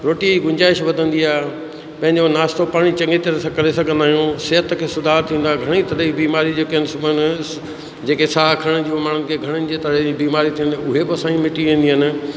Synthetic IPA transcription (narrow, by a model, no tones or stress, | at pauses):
ɾoːʈiɡʊ̃ɲd͡ʑaːɪʃʋɐd̪ʱə̃nd̪iaːɦ | pɐ̃ɦɪ̃ɲd͡ʑonaːst̪opaːɽ̃it͡ɕɐ̃ŋɡet̪əɾsãkɐɾesɐɡʱə̃nd̪aːɦijũsɪɦət̪kʰeːsʊd̪ʱaːɾt̪ʰĩːn̆d̪aːɡʱɐɽ̃it̪ɐləbiːmaːɾid͡ʑeːkeɦɪnɪ̆sʊbʱənɪ̆ | d͡ʑeːkesaːkʰɐɽ̃d͡ʑiːmaːɽ̤ʊnɪkʰeːɡʱɐɽ̃ənɪ̆d͡ʑeːt̪ɐɾbiːmaːɾit̪ʰiːnʊɦebɪɐsãːɲimɪʈiʋĩːnd̪iɦənɪ̆